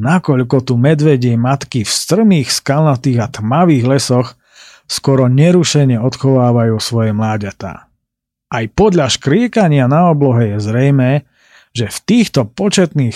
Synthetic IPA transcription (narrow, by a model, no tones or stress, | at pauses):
nakɔʎkɔt̪umɛd̪ʋɛɟɛmat̪kifst̪r̩miːxskalnat̪iːɣat̪maʋiːɣlɛsɔx | skɔɾɔɲɛɾuʃɛɲɛɔt̪xɔʋaːʋajuːsʋɔjɛmlaːɟat̪a̰ː | ʔajpɔd̪ʎaʃkɾɪɛkaɲɪanaɔblɔɦɛjɛzɾɛjmɛː | ʒɛft̪iːxt̪ɔpɔt͡ʃɛt̪niːx